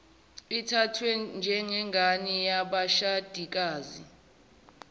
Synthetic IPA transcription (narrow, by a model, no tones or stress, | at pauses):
itʰatʰwɛnd͡ʒʱɛŋɛŋɡʱanijaɓaʃad̥ʱik̬aːzḭ